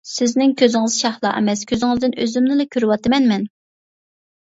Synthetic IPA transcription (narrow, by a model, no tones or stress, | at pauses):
sɪznɪŋkʲʰøzɪŋɨz̥ʃɑχlˠɑ̰ʔɛ̰mɛskʲʰøzɪŋɪzd̪ɪnøzymnɪlɛkʲʰøɾywɑt̪ɨmɛnmɛn